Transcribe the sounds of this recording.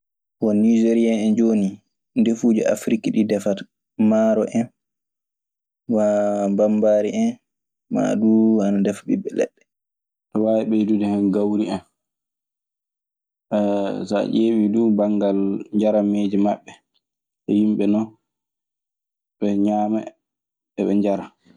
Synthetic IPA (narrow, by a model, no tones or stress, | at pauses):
wɔnid͡ʒeɾiaɛnd͡ʒoːni | ndefuːd͡ʒɔʔa̰fɾikiɗidɛfat | maːɾɔʔɛn | wabambaːɾiʔɛn | ma̰ɗuanadɛfɓḭɓːɛlɛ̰ɗːɛ | tɔwaːwiɓɛdudɛhɛnɡawɾiɛn | ɛsa̰ʔeːɓidubaŋɡalɲd͡ʒaɾameːd͡ʒimaɓːɛ | ɛjimɓɛnɔ | ɓɛɲaːmɛ | ɛɓɛɲd͡ʒaɾa